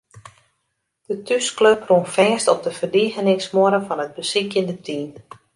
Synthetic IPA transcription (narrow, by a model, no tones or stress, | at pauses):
d̥ətʰyskløprunfɛːstɔp̚dəvərdiɣənɪŋsmoəɾəfɔnɦəd̚bəsikjəndətʰiːn